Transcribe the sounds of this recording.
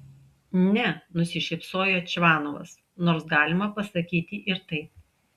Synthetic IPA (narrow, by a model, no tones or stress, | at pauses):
nʲɛnʊsʲɪʃʲɪpsoːjoːt͡ʃʲʋɑːnoʋɐ̰s | noːɾsɡɑːlʲɪmɐpɐsɐkʲiːt̪ʲɪʔɪɾt̪ɐɪp